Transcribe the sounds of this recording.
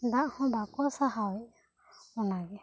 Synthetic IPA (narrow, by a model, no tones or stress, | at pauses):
d̪aʔhɔ̃bakɔsaɦawi | ɔnaɡɛ